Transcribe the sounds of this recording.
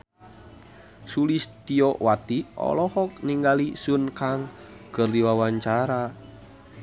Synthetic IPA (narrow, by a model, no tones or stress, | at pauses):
sulisd̪̥iɔʔwat̪iʔɔ̰lɔhɔk̚niŋɡalisunkaŋɡ̥ərdiwawaɲt͡ʃaɾa